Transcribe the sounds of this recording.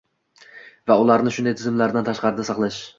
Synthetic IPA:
vaʊlˠaɾnɪʃʊnd̪ajt̪ʰɪzɪmlaɾd̪ant̪ʰaʃqɑɾɪd̪asɑqlˠaʃ

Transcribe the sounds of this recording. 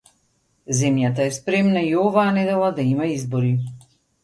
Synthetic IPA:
zɛmjat̪aɛspɾɛmnaiɔvaːnɛd̪ɛlˠad̪aimaizbɔɾi

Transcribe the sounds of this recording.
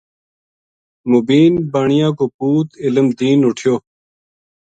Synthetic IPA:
mubiːnbəɳijãːkoːpuːt̪ɪləmd̪iːnuʈʰjoː

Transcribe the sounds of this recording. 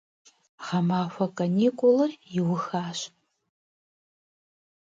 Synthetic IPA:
ʁɐmaːxʷɐkʼɐniːkʷʼʊlɐrjɪwʊxaːɕ

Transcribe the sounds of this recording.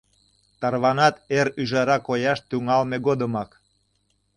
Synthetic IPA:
t̪ɑrβɑnɑt̪eɾyʒɑɾɑkojɑʃt̪yŋɑlmeɣod̪əmɑk

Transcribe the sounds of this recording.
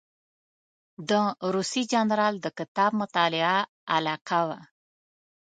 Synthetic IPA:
d̪əɾusid͡ʒɑnɾɑld̪əkɪt̪ɑb̚mʊt̪ɑlɪa | alɑqawa

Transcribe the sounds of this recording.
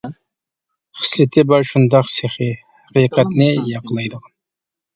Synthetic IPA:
χə̥slɪt̪ʰɪbɑɾʃund̪ɑqseχihæqijqɛt̪nɪjɑqʰəlˠɑjd̪əʁɑn

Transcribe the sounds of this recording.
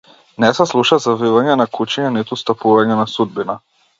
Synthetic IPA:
nɛsɛslˠuʃazavivaɲɛnakut͡ʃiɲɛnit̪ust̪apuvaɲɛnasud̪̚bina

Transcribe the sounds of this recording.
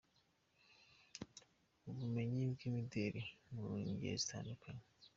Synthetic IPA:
oβume̞ɲibɡimideɾimuɾuːɲɟḛzitʰa̰ːndukeme

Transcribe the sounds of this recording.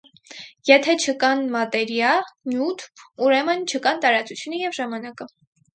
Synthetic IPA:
jɛt̪ʰɛt͡ʃʰəkɑnmɑt̪ɛɾjɑlnjut̪ʰuɾɛmənt͡ʃʰəkɑnt̪ɑɾɑt͡sut͡sʰjunəjɛvʒɑmɑnɑkə

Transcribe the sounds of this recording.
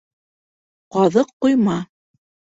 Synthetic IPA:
qɑðɤqːujmɑ

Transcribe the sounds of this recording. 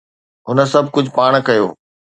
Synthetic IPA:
ɦʊnəsɐbʱkʊd͡ʑʱpaːɽ̃kɐjo̰ː

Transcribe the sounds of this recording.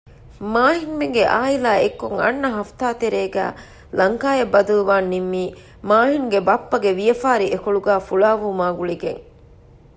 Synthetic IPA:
maːɦiŋmeŋɡeʔaːilaːekːuŋɐ̰nːɐɦɐft̪aːt̪eɾeːɡæ̰ː | lɐŋkaːjebːɐd̪uluʋaːnːimːiː | maːɦiŋuɡebɐpːɐɡeʋijɐfaːɾiʔekoɭuɡæːfuɭaːʋumaːɡuɭiɡḛŋ

